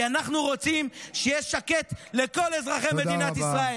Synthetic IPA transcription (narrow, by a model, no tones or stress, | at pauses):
anaχnuʁo̞t͡simʃejeʃake̞t̪leko̞lezʁaχemed̪inat̪isʁae